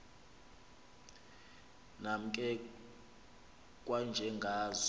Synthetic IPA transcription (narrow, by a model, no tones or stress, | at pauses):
nam̩kʼɛ | kʼwand͡ʒʱɛŋɡʱaːz